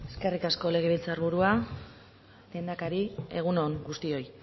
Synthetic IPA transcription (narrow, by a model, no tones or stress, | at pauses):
eske̞rikasko̞le̞ɣ̞e̞βilt͡saɾβuɾua | d̪end̪akaɾie̞ɣ̞uno̞ŋɡust̪io̞j